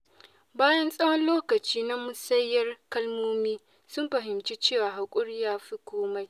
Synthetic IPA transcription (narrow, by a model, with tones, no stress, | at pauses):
baː˦jɐ˦nsʼɐ˦wɔ˦nloː˦kɐ˨t͡ʃiː˦na˦mʊ˦sɐ˦jːɐ˦rkɐ˦lmoː˦miː˦ | sʊ˦mɸɐ˨ɦɪ˨mt͡ʃe˦t͡ʃeː˦˨waː˨ɦa˨kʷʼʊ˦ɽɪ˦jaː˦ɸi˦kʷoː˦ma˦j